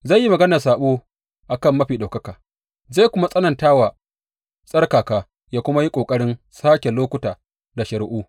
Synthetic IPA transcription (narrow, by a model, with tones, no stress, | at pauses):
za˦˨jːi˦mɐ˨ɡɐ˦na˨saː˨ɓoː˦ | ʔa˨kɐ˦˨mːɐ˦ɸiː˨ɗa˨kɐ˦kaː˨ | za˦˨kʷʊ˦ma˦sʼɐ˦nɐ˨ntaː˦waː˨ | sʼɐ˦rkaː˨kaː˨ | jaː˦kʷʊ˦ma˦ji˦kʷʼoː˨kʼɐ˦ɽɪ˦n | saː˦kʲe˨loː˦kʷʊ˦taː˨ | da˨ʃɐ˨ɽʔuː˦